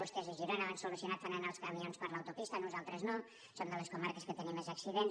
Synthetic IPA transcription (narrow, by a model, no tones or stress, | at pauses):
uskeziʒiɾonaβənsulusiunat̪̚fanənaəlˠskəmionspəɾləwt̪upist̪ənuzalˠt̪ɾəzno | sond̪ələskumaɾkəskət̪ənimːezəksiðen